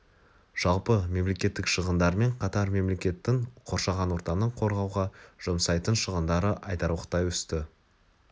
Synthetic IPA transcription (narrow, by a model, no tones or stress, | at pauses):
ʒ̥ɑlˠpəme̞mle̞kʲe̞t̪ːɪkʃəʁənd̪ɑɾme̞ɴqʰɑt̪ɑɾme̞mle̞kʲe̞t̪ːɪŋqʰo̞ɾʃɑʁɑnwo̞ɾt̪ɑnəɴqʰo̞ɾʁɑwʁɑʒ̥omsɑjt̪ənʃəʁənd̪ɑɾəʔɑjt̪ɑɾuwəqt̪ɑjwʏst̪ɪ